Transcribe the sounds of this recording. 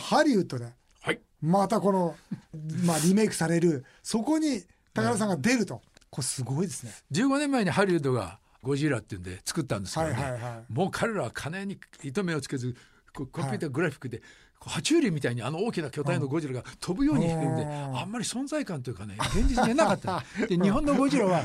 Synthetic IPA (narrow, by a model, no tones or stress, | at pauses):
haɾʲiɯt̪o̞d̪e̞ | hai | mat̪ako̞no | maɾʲime̞ːkɯ̟̥saɾe̞ɾɯ̟ | so̞ko̞ɲ̟i | t̪akaɾas̬ãŋɡad̪e̞ɾɯ̟t̪o̞kosɨɡo̞id̪e̞sɨned͡ʑɨːɡo̞nemːae̞ɲ̟ihaɾʲiɯ̟t̪̬o̞ɡa̰ | ɡo̞ʑiɾat̪ːeɯ̟nd̪et͡sɨ̥kɯ̟t̪ːãnd̪e̞skaaɾaamo̞ːkʰaɾe̞ɾaβakʰaneɲ̟iit̪o̞meot͡sɨ̥ke̞zɨ | kokompʲɨːt̪aɡɯɾaɸʲi̥kːɯd̪e̞ | kʰohat͡ɕɨːɾʲimʲit̪aiɲ̟iano̞oːkʲinakʲo̞t̪aino̞ɡo̞ʑiɾaɡat̪ʰo̞bɯ̟jo̞ːɲiçi̥kɯ̃nd̪eamːaɾʲisõ̞nzaikãnt̪̬oiɯ̟kaneɡẽ̞ɲd͡ʑit͡sɨd̪enaat̪ːad̪eɲiɦõ̞nːo̞ɡo̞ʑiɾaβa